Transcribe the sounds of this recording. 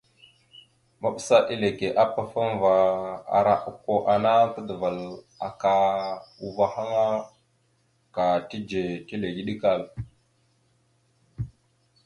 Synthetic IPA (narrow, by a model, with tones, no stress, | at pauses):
ma˦ɓə˦sa˦ʔi˦le˨ke˨ʔa˦pːa˨fa˦m˦va˨a̰˨ɾa˦ʔu˨kːo˦ʔa˨na˦tə˦də˨va˨l | a˨ka˨u˨va˨ha˦ŋa˦ | ka˨ti˦d͡ʒe˨ti˦le˨ɡi˦ɗi˦ka˦˨l